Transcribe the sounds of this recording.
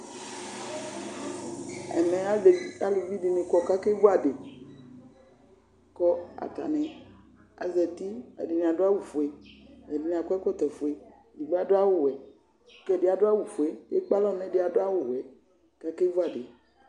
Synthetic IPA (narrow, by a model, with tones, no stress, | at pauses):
ɛ̰˨nɛ̃˨a˦˨a˦lu˨vi˦de˨nẽ˨kɔ˦ka˦ke˦vo˦a˨ɖe˨ | kɔ˦a̰˨t̪a̰˨nɛ̃˨ | a̰˨zɛ˨t̪i˦a̰˨di˨ñ˨a˨ɖo˦a˦wu˨fo˨e˨ɛ˨di˨n˨ã˨kɔ˦ɛ˦kɔ˦t̪ɛ˨fo˨e˨ | di˨ɡ͡ba˦˨do˦a˦wʊ˨wɛ˨˦ | kɛ˨de˨a˨do˦a˦wu˨fo˨e˨jḛ˦k͡pa˦lɔ˦˨nɛ̃˦de˨a˨do˦a˦wo˨wɛ˨ | ka˦ke˦vo˦a˨ɖe˨